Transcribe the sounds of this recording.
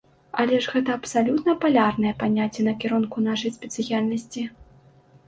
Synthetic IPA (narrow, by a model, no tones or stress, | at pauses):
ɐlʲɛʐɣɛt̪ɐːpsalʲut̪nɐpalʲarnɐjɐpanʲat͡sʲːɛnɐkʲɛɾunkunaʂɐjspʲɛt̪sɨjalʲnɐsʲt͡sʲi